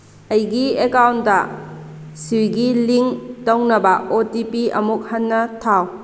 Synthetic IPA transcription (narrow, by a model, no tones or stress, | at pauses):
ɐjɡiekawnɐ | sijɡiliŋtownɐbɐotipiɐ̰muk̚hɐnːɐtʰaw